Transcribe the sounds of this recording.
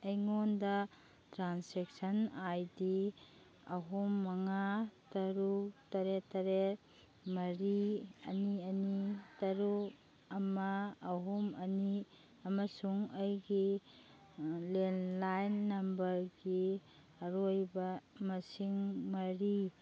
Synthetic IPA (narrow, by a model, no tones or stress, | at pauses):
ɐjŋondɐ | tɾansek̚sɐnajdi | ɐɦumːɐŋatɐɾutɐɾetɐɾe | mɐɾiɐ̰niɐnitɐɾu | ɐmɐːɦumɐni | ɐmɐsuŋɐjɡi | lenlajnːɐmbɐɾɡi | ɐɾojbɐmɐsiŋmɐɾi